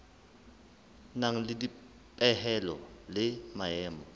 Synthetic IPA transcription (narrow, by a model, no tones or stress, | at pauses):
naŋ̩lɪdi | pʼɛhɛlɔ̰lɪmaɛːmɔ